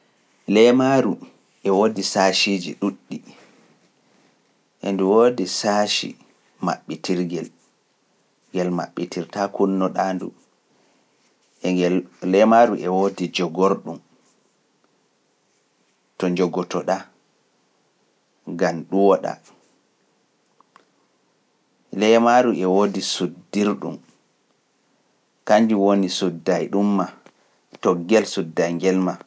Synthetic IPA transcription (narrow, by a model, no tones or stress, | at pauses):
lɛmaɾu | ʔɛwodisaʃid͡ʒḭɗuɗːi | ʔɛnduwodisaʃḭ | ma̰ɓːitiɾɡɛl | ɡɛlma̰ɓːitiɾtakunːɔɗandṵ | ʔɛɡɛllɛmaɾuʔɛwodid͡ʒɔɡoɾɗum | tɔɲd͡ʒɔɡɔtɔɗa | ɡamɗuwɔɗa̰ | lɛmaɾuʔɛwodisudːiɾɗṵm | kaɲd͡ʒuwonisudːajɗumːa | tɔɡɛlsudːajŋɡɛlma